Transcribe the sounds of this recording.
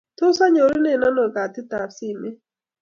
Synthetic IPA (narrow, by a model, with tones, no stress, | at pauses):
tʊ˦sa˦ɲo˨ɾi˦ne˦˨na˦nɔ˨ɡa˨tɪ˦ta˨si˦˨me˦